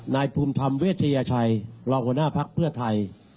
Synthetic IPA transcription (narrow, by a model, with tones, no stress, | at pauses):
naː˧jpʰuː˧mt̪ʰa˧mweː˦˥˩t̪̚ʰa˧jaː˧t͡ɕʰa˧jɾɔː˧ŋhu˧˩˦ənaː˥˩pʰa˦˥k̚pʰɯ˥˩ɐt̪ʰa˧j